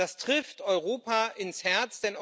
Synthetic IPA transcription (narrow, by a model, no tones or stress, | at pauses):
astʁ̥ɪftɔʏʁoːpaʔɪnshɛɐt͡sd̥ɛn